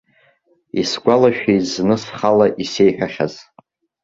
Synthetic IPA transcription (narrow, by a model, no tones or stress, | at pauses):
isɡʷalaʃᶣejznɨsχalaʔisejħᶣaχʲa̰z